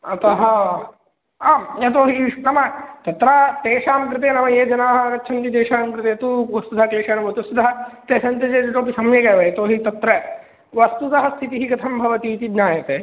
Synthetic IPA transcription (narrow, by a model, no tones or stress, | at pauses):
ɐt̪ɐɦɐ | aːmet̪oːɦinɐmɐt̪ɐt̪ɾaːt̪eːʂaːmkɾɨt̪eːnɐmɐjeːd͡ʒɐnaːɦɐnɐt͡ʃʰɐnt̪id̪eːʂaːmkɾɨt̪eːt̪uʋɐst̪ud̪ʱɐɐkleːʃaːnɐbʱɐt̪ɐst̪ud̪ɐɦɐt̪eːʃɐnt̪ɐd͡ʒeːd͡ʒɐt̪oːpisɐmjekɐːʋɐet̪oːɦit̪ɐt̪ɾɐ | ʋɐst̪ut̪ɐɦɐst̪ʰit̪iɦiɡɐt̪ʰɐmbʱɐʋɐt̪iːt̪id̪naːjɐt̪eː